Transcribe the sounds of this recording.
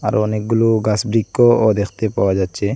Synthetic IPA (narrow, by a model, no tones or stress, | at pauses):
a̰ɾɔɔnek̚ɡuluɡasbɾikkːɔɔd̪ekʰt̪epawad͡ʒatt͡ʃʰe